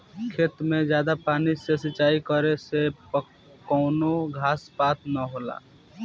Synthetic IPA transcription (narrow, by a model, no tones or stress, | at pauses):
kʰeːt̪mẽd͡ʒjaːd̪apaːnisesɪt͡ʃaːikəɾesep | kɔʊnoɡʱaːspaːt̪nəɦoːla̰ː